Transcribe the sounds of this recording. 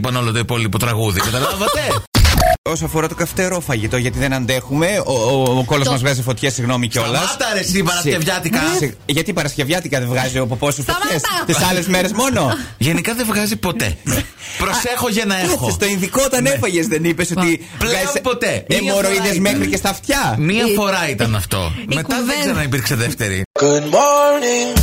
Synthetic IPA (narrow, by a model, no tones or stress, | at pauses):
pɐnolot̪oipo̞lipot̪ɾɐɣuðikɐt̪ɐlɐvɐt̪e | o̞soɐfoɾɐt̪okɐft̪e̞ɾo̞fɐʝit̪o̞ʝɐt̪iðenɐnd̪e̞xume̞ooko̞lozmɐzvɣɐzifo̞t̪çesiɣno̞miceo̞lɐst̪ɐɾesipɐɾɐsievʝɐt̪ikɐsʝɐt̪ipɐɾɐsce̞vʝɐt̪ikɐðevɣɐziopopo̞sesfoçest̪isɐle̞zme̞ɾe̞zmo̞no̞ʝenikɐðevɣɐzipo̞t̪ḛpɾosexoʝɐnɐexost̪oinðikot̪ɐnefɐʝezðenipe̞so̞t̪i | plɣɐspot̪eemoɾoiðezme̞xɾice̞st̪ɐft̪çɐmiɐffo̞ɾɐit̪ɐnɐft̪o̞̰meɐðeɡzeɾɐnɐipiɾkseðeft̪eɾḭkonmoli